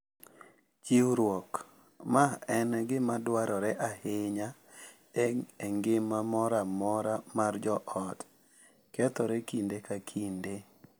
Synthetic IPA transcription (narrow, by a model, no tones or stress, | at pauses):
t͡ʃiwɾwɔk | maɛnɡɪmadwaɾʔɔɾɛʔahɪɲa | ɛɛŋɡɪmːamɔɾamɔɾamard͡ʒɔʔɔd | kɛt̪ɔɾɛkindekakʰinde